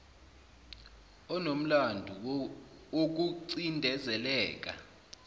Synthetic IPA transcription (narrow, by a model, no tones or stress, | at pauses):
ɔnom̩landʱu | ok̬uǀindʱɛzɛlɛːk̬a̰